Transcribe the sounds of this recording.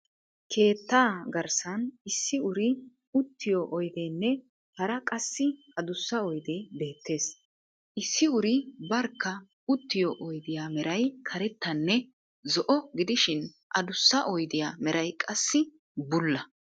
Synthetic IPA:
kʰe̞ːt̪ːaːɡɐɾsɐnɪsːɪʊɾɪ | ʊt̪ːɪjɔʔɔjd̪eːnːɛ | hɐɾɐkʼɐsːɪ | ɐd̪ʊsːɐɔjd̪eːbe̞ːt̪ːe̞ːs | ʔɪsːɪʊɾɪbɐɾkːɐ | ʊt̪ːɪjɔʔɔjd̪ɪjaːmɛɾɐjkʰɐɾɛt̪ːɐnːɛ | zɔʔɔɡɪd̪ɪʃɪn | ʔɐ̰d̪ʊsːɐʔɔjd̪ɪjaːmɛɾɐjkʼɐsːɪ | bʊlːɐ

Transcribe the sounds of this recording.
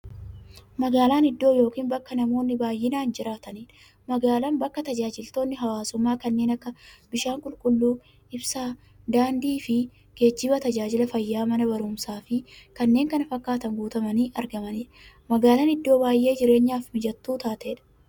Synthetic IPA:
mɐɡaːlaːnɪd̪ːo̞ːjo̞ːkiːnbɐkːɐnɐmo̞ːnːɪbaːjʔɪnaːnd͡ʒɪɾaːt̪ɐniːᶑɐ | mɐɡaːlɐnbɐkːɐt̪ɐd͡ʒaːd͡ʒɪlt̪o̞ːnːɪɦɐwaːsʊmːaːkɐnːe̞ːnɐkːɐbɪʃaːŋkʼʊlkʼʊlːuː | ɪbsaː | d̪aːnd̪iːfɪ | ɡ̥e̞ːd͡ʒːɪbɐt̪ɐd͡ʒaːd͡ʒɪlɐfɐjːaːmɐnɐbɐɾuːmsaːfɪkɐnːe̞ːŋkɐnɐfɐkːaːt̪ɐŋɡuːt̪ɐmɐniːʔɐɾɡɐmɐniːᶑɐ | mɐɡaːlɐnɪd̪ːo̞ːbaːjʔe̞ːd͡ʒɪɾe̞ːɲːaːfmɪd͡ʒɐt̪ːuːt̪aːt̪eːᶑɐ̥

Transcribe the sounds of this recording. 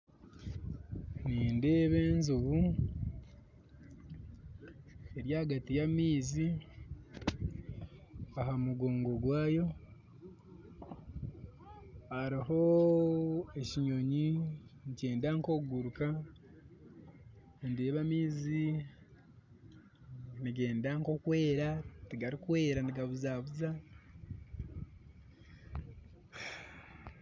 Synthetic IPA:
niːnde̞ːβe̞ːnzuβu | e̞ɾjaɡatijamiːzi | aɦamuɡo̞ːŋɡo̞ɡwaːjo̞ | aɾiɦo̞ | e̞ciɲo̞ɲiniceːndaŋko̞ɡuɾuka | ndeβamiːzi | niɡe̞ːndaŋko̞kwe̞ːɾatiɡaɾikwe̞ːɾaniɡaβuzaβuza

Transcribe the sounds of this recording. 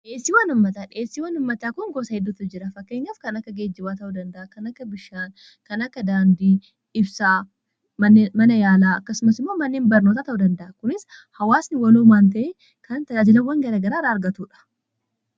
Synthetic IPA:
ᶑe̞ːsːiːwɐnʊmːɐt̪aːᶑɪeːsːiːwɐnʊmːɐt̪aːkʊŋɡoːsɐɪd̪ːʊt̪ːʊd͡ʒɪɾɐfɐkːeːɲːɐfkɐnɐkːɐɡeːd͡ʒːɪbaːt̪ɐʔud̪ɐnd̪ɐʔakɐnɐkːɐbɪʃaːn | kɐnɐkːɐd̪aːnd̪iː | ɪbsaː | mɐnmɐnɐjaːlaːɐkːɐsʊmɐsɪmːoːmɐnːeːnbɐɾno̞ːt̪aːt̪ɐʔud̪ɐnd̪ɐʔɐkʊnɪshɐwaːsnɪwɐluːmaːnt̪̬ɐʔe | kʰɐnt̪ɐd͡ʒaːd͡ʒɪlɐwːɐŋɡɐɾaːɡɐɾaːɾaɐɾɡɐt̪uːᶑɐ̥

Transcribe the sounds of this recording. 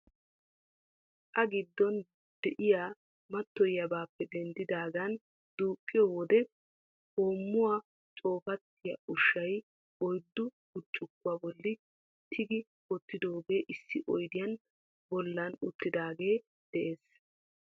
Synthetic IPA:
ʔɐɡɪd̪ːɔn | d̪̥ɛʔɪjaː | mɐt̪ːɔjɐbaːpːɛd̪ɛnd̪ɪd̪aːɡɐn | d̪̥uːkʼːɪjɔwɔd̪ɛ | ho̞ːmːʊwaː | t͡sʼo̞ːfɐt̪ːɪjɐʔʊʃɐj | ɔjd̪ːʊ | ʊt͡ʃʼːʊkːʊaːbɔlːɪ | t̪ʰɪɡɪ | kɔt̪ːɪd̪oːɡe̞ːʔɪsːɪʔɔjd̪ɪjɐn | bɔlːɐnʊt̪ːɪd̪aːɡe̞ː | d̪̥ɛʔe̞ːs

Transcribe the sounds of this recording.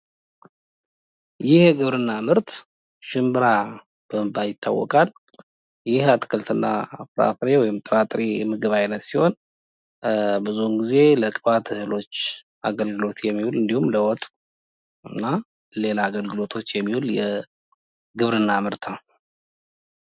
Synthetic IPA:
jɪhɡɨβɾɨnːamɨɾt̪ | ʃɨmbɨɾa | b̥əmɨbajɪt̪ʰːa̰wːɔ̰kʼal | jɪhat̪ʰɨ̥kʰəlt̪ʰɨnːafɨɾa̰fɾewɔjɪmt̪ʼəɾat̪ʼɾijɛmɨɡəβajnət̪siho̞n | bɨzumɡize̞ləkʼfat̪ʰɨhɨlo̞t͡ʃː | a̰ɡəlɡɨlo̞t̪jɛmːihulɨnd̪ihumləwɔt̪ʼ | ɨnːa | le̞laːɡəlɡɨlo̞t̪ʰo̞t͡ʃːjɛmːihuljɛ | ɡɨβɾɨnːamɨɾt̪nəw

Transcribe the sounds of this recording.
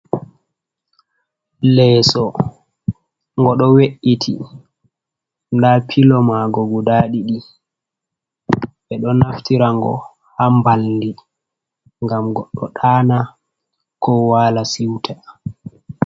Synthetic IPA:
lɛːsɔ | ŋɡɔɗɔweʔːitʰḭ | ndapʰilɔmaɡɔɡudaːɗiɗi | ɓɛɗɔnaftiɾaŋɡɔ̰ | hambaldi | ŋɡamɡɔɗːɔ̰ɗaːna | kʰɔwaːlasiwtʰa

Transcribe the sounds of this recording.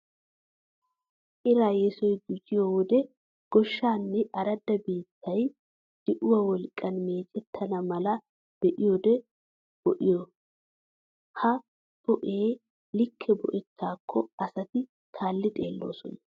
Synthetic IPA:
ʔɪɾaːjɛsɔjd̪ʊd͡ʒɪjɔwɔd̪ɛ | ɡ̥ɔʃːaːnːɛɐɾɐd̪ːɐbiːt̪ʰːɐj | d̪̥ɪʔʊwɐwɔlkʼːɐnme̞ːt͡ʃʼɛt̪ʰːɐnɐmɐlɐ | b̥ɛʔɪjɔd̪ɛ | b̥ɔʔɪjɔ | hɐ | b̥ɔʔeː | lɪkʰːɛbɔ̰ʔɛt̪ʰːaːkʰːɔɐsɐt̪ɪ | k̪ʰaːlːɪt̪ʼe̞ːlːo̞̰ːsɔ̰nɐ

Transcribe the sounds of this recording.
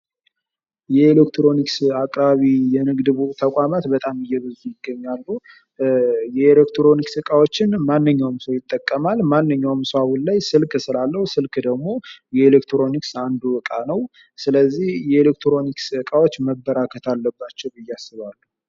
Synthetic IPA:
jɛelekt̪ɾo̞niksakʼɾaβijɛnɨɡd̪ɨβut̪ʰəkʷʼamat̪bət̪ʼamɨjːɛβɨzujɪɡːəɲːalːu | jɛelekt̪ʰɾo̞niksɨkʼawot͡ʃːɪnmanːɨɲːawmsəwjɪt̪ʼːəkʼːəmalmanːɨɲːawmsawunlajsɨlksɨlalːəhusɨlkd̪əɡmo̞jɛelekt̪ʰɾo̞niksand̪ubɨkʼanəw | sɨləzːihjɛelekt̪ʰɾo̞niksɨkʼawo̞t͡ʃːməbːəɾakʰət̪ʰalːəbːat͡ʃːɛwɨjːasːɨβalːu

